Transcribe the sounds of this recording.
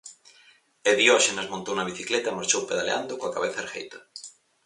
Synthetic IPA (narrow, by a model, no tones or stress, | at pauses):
eðioʃenɐzmõnt̪ownɐβiθiklet̪ɐemaɾt͡ʃowpeðaleand̪okoakaβeθɐeɾxḛjt̪ɐ̥